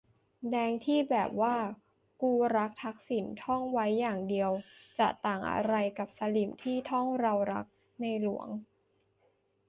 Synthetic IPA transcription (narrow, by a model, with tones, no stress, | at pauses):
dɛː˧ŋt̪ʰiː˥˩bɛː˨˩p̚waː˥˩ | kuː˧ɾa˦˥k̚t̪ʰa˦˥k̚si˩˦nt̪ʰɔ˥˩ŋwa˦˥jːaː˨˩ŋdi˧əwt͡ɕa˨˩t̪aː˨˩ŋʔa̰˧ɾa˧jka˨˩p̚sa˧li˨˩mt̪ʰiː˥˩t̪ʰɔ˥˩ŋɾa˧wɾa̰˦˥k̚ | na˧jlu˨˩˦əŋ